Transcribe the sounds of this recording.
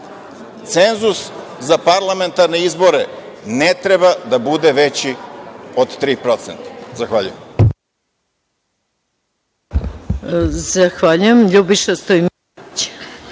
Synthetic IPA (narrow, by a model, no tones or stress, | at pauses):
t̪se̞nzus | zapaɾlˠame̞nt̪aɾneizboɾenet̪ɾebad̪abud̪e̞ʋet͡ɕiod̪t̪ɾiːpɾo̞t̪sent̪ḁzaxʋaʎujem | zaxʋaːʎujemʎubiʃast̪oim | t͡ɕ